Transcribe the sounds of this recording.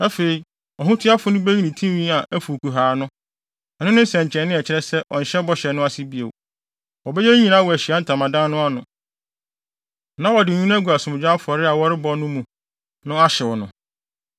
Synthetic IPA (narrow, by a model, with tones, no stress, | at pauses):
a˦fe˨i˨ | ɔ˨ɦʊ̃˦tʰɪ˦a˦fʊ˦nʊ̃˦bæ˦ɲi˦nĩ˨tʰĩ˦wĩ˦a˨ʔæ˦fu˨ku˨ɦaː˨nʊ̃˦ | ɛ˨nʊ̃˦nʊ̃˦sɛ̃˨ɲ˨t͡ɕʰɛ˨nɪ̃˦ɛ˨t͡ɕʰɪ˦ɾɛ˦sɛ˦ʔɔ̰˨n̩˨ɕɛ˦bɔ˦ɕɛ˨nʊ̃˦a˦sɪ˦bi˨ḛ˨w | wɔ˨bɛ˦jɛ˦ɲĩ˦˨nã˦wɔ˨æ˨ɕi˨a˦n̩˨tʰã˨mã˨dã˦nʊ̃˦a˦nʊ̃˨ | nã˦wɔ˨dɪ˨ɲũ˦n˦æ˦ɡu˨a˨sʊ̃˨m̃˨d͡ʑᶣã˦fʊ˨ɔ˨ɾɪ˦a˨wɔ˦ɾɪ˦bɔ˦nʊ̃˦mũ˨ | nʊ̃˦a˦ɕɛ˨wɔ˨nʊ̃˨